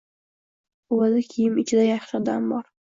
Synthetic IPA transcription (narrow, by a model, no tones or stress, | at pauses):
ozɪkʲʰijɪmɪt͡ʃʰɪd̪ajɑχʃɪd̪a̰mbɒɾ